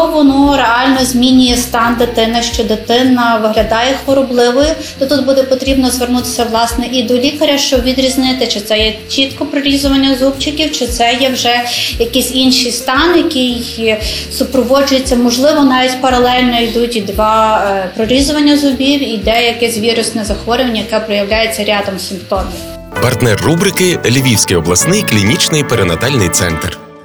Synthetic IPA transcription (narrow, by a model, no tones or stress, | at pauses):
ɔʋʊnuɾeɑlʲnɔzʲmʲinʲijɛst̪ɑnd̪ɪt̪ɪnɐʃt͡ʃɔd̪ɪt̪ɪnɐʋɪɦlʲɐd̪ɑjɛxʋɔɾɔblˠɪʋɔjʊ | t̪ɔt̪ud̪̚bud̪ɛpɔt̪ɾʲibnɔzʋernut̪ɪ̥sʲɐʋlˠɑsnɛʔid̪ɔlʲikɐɾʲɐʃt͡ʃɔbʋʲid̪ɾʲiznɪt̪ɪt͡ʃɪt̪sɛjɛt͡ʃit̪kɔpɾɔɾʲizʊʋɐnʲːɐzubt͡ʃɪkʲiwt͡ʃɪt̪sɛjɛwʒɛjɐkɪsʲinʃijst̪ɑnjɐkɪj | sʊpɾɔʋɔd͡ʒʊjet͡sʲːɐmɔʒlˠɪʋɔnɑʋʲitʲpɐɾɐlˠɛlʲnɔijd̪utʲid̪ʋɑpɾɔɾʲizʊʋɐnʲːɐzʊbʲiwid̪ɛjɐkɪsʲʋʲiɾʊsnɛzɐxʋɔɾʲʊʋɐnʲɐjɐkɛpɾɔjɐwlʲajet͡sʲːɐɾʲɑd̪ɔmsʲɪmpt̪ɔmʲiw | pɐrt̪nɛrːubɾɪkɪlʲiʋʲiwsʲkɪjɔblˠɐsnɪjklʲinʲit͡ʃnɪjpeɾenɐt̪ɑlʲnɪjt̪sɛ̰nt̪r